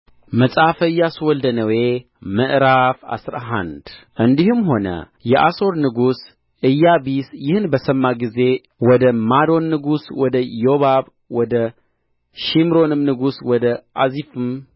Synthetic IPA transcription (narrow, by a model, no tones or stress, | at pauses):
məsʼafəɨjːaswɔld̪ənəwe̞ | məʔɾafa̰sɾaɦa̰nd̪ʔɨnd̪ihɨmho̞nə̰ | jɛʔaso̞ɾnɨɡus | ɨjːabisjɪhnbəsəmːaɡize̞ | wɔd̪əmad̪o̞nːɨɡuswɔd̪əjoβaβ | wɔd̪ə | ʃimɾo̞nɨmnɨɡuswɔd̪əʔazifɨm